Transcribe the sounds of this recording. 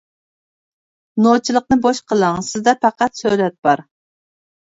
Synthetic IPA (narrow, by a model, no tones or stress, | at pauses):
not͡ʃʰilˠəq̚nɨboʃqʰəlˠɑŋsɪzd̪ɛpʰæqæt̪søjlɛt̪̚b̥ɑɾ